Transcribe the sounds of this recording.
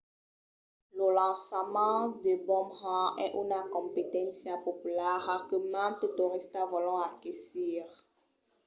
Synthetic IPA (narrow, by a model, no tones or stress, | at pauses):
lolɑ̃səmɑ̃d̪ebɔmʁɑ̃ɛʔynakɔ̃mpet̪ɛ̃nsjãpɔpylaʁakəmãt̪et̪oʁist̪avɔlɔ̃akɛsiʁ